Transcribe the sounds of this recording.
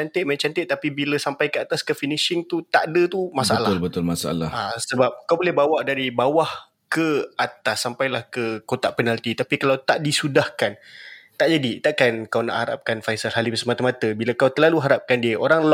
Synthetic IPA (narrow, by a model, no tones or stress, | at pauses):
ant̪ɪʔ̪mat͡ʃant̪ɪʔt̪apibiləsampajkəat̪askəfiniʃɪŋt̪ut̪aʔdət̪umasaalalbət̪ʊlmasaa̰la̰hasəbap̚kawbolɛhbawaʔdaɾibawah | kəat̪asːampajlahkəkot̪aʔpənalt̪it̪apikalawt̪aʔdisudahkant̪aʔd͡ʒadit̪aʔkankawna̰ʔhaɾa̰p̚kanfajsalɦalibəsəmat̪əmat̪əbiləkawt̪əlaluɦaɾap̚kandiəʔoɾaŋlɔ